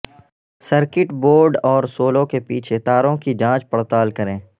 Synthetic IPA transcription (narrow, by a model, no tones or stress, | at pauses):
səɾkɪʈboːɾɖɔːɾsoːlõkepiːt͡ʃʰet̪aːɾõkid͡ʒãːt͡ʃpəɽt̪aːlkɐɾẽː